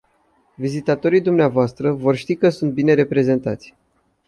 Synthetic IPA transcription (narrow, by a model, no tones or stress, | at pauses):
vizit̪at̪o̞ɾijd̪umneavoast̪ɾəvo̞rʃt̪ikəsunt̪̚bine̞ɾe̞pɾe̞ze̞nt̪at̪sʲ